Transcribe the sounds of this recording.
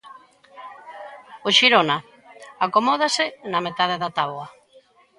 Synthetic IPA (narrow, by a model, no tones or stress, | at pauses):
oʃiɾona | akomɔð̞asɪnamet̪aðeðat̪aβwa